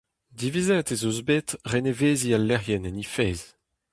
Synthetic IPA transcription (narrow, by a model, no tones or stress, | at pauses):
d̪ivizɛt̪ezozbet̪ʁeneveːzialːɛʁjɛnɛnifeːz